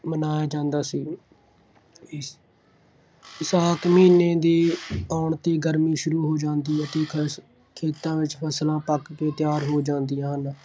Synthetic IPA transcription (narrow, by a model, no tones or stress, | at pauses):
mənaːjaːd͡ʒãːnd̪aːsiː | ɪsaːkmiːnẽːd̪eːaːɳt̪eːɡəɾmiːʃʊɾuːɦoːd͡ʒãːnd̪iːət̪eː | kʰeːt̪ãːʋɪt͡ʃpʰəslãːpəkkeːt̪ɪjaːɾɦoːd͡ʒãːnd̪ɪijãːɦən